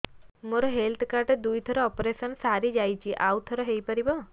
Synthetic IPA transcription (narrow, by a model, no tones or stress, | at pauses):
moɾɔɦelt̪ʰkaɾʈed̪ujt̪ʰɔɾɔɔpɾesɔnsaɾid͡ʒajt͡ʃʰiʔawt̪ʰɔɾɔɦejpaɾibɔ